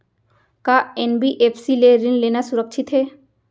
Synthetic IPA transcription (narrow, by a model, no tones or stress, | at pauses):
kaenbiʔepʰsileɾinleːnasuɾək̚ʃʰit̪ɦɛː